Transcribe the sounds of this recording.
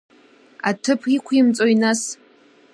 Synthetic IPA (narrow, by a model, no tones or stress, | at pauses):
atʰɨpʰikʷʰimt͡sʼoinas